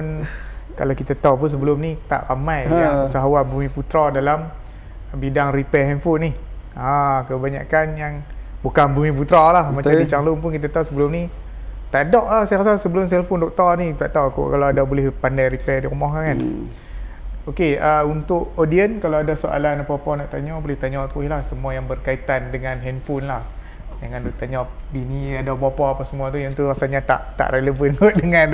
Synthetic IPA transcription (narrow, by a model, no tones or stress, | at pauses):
unka̰lawkit̪at̪auwpunsəbəlʊmnit̪a̰ʔramajausaɦawabumiput̪ɾadalam | bidaŋripɛɦɛnfʊnːih | ãkəbaɲa̰kanjaŋbukanbumĩp̬ut̪ɾalahmat͡ʃadit͡ʃaŋlʊŋpʊnkit̪̬at̪auwsəbəlʊmni | t̪aʔdɔʔlahsajakasasəbəlʊms̬ɛlfondɔk̚t̪ɔrnit̪aʔt̪awkṵkalawadabolɪhpandajripɛdiɾumɔhkakan | okeaunt̪ʊʔodiənkalawadasoʔa̰lanapawpanaʔt̪aɲɔbolɪht̪aɲɔt̪uilahsəmuajaŋbərkait̪andəŋãnɦɛnfʊnlah | d͡ʒaŋandut̪aɲɔbiniadabapɔapasəmuat̪ujaŋt̪urasaɲat̪a̰ʔt̪a̰ʔreləvənɡot̚dəŋan